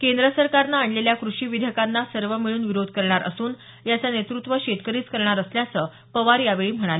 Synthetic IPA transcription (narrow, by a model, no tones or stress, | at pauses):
kend̪ɾəsəɾkaɾnaːɳɖleljakɾuʂiːʋid̪ʱəkanːasəɾʋəmiɭuːnʋiɾod̪ʱkəɾɳaɾʔə̰suːn | jat͡sanet̪ɾut̪ʋəɕeʈ̪kəɾiːt͡skəɾɳaɾəsljat͡səː | pəʋaɾjaʋeɭiːm̤əɽ̃ale